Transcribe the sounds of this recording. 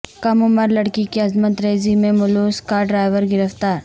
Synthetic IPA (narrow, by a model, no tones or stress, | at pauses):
kɐmʊməɾlɐɽkikeɐzmət̪ɾeːzimẽmʊloːskaɖɾaːjʋəɾɡɪɾəft̪aːɾ